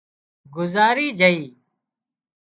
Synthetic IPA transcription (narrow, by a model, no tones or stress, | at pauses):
ɡʊzaːɾiːd͡ʒʱəiː